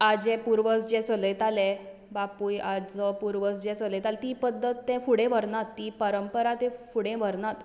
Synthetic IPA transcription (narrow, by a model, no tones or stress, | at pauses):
ad͡ʑɛ̃puɾʋəsd͡ʑɛ̃t͡sələjt̪alɛ̃ | bapujad͡zəpuɾʋəsd͡ʑɛt͡sələjt̪alɛt̪iːpəd̪ʱːət̪ːɛ̃fuɽẽʋəɾnat̪ːipəɾəmpəɾat̪ɛ̃fuɽẽʋəɾnat̪